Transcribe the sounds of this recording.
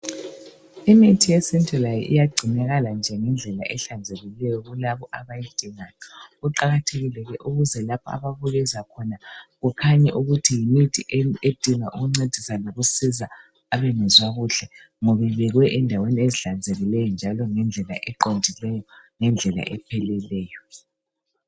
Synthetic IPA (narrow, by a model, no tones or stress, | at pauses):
imitʰijesintʰʼɛlajḭʔḭjaɡ͡ǀʱinɛɣaland͡ʒʱɛŋɛnd͡ɮʱɛla̰ʔɛɬand͡zʱeɣilɛjɔɣulaβɔʔaβajid̥ʱiŋajɔɣuǃaɣatʰeɣilɛɣɛʔuɣuzɛlapʰɔa̰βaβuɣɛzakʰɔnaɣukʰaɲɛʔuɣutʰijimitʰiʔed̥ʱiŋaʔuɣuŋ͡ǀed̥ʱisaloɣusiza | aβɛnɛzwaɣuɬɛ | ŋɔβɛβɛɣwɛʔɛndʱawenieziɬand͡zʱeɣilɛjɔnd͡ʒʱalɔŋɛnd͡ɮʱɛla̰ʔɛǃondʱilɛjɔŋɛnd͡ɮʱɛla̰ʔɛpʰɛlɛlɛːjɔ